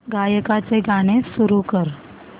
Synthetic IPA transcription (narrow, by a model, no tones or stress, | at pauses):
ɡajəkat͡seɡaɽ̃esuɾukəɾ